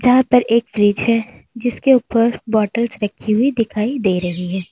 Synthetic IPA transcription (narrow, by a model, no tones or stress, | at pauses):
d͡ʒɐɦãpɐɾeːkfɾiːd͡ʒɦɛ | d͡ʒɪskeuːpəɾbɔːʈəlsɾɐkʰːiɦʊid̪ɪkʰaːid̪eːɾɐɦiɦɛː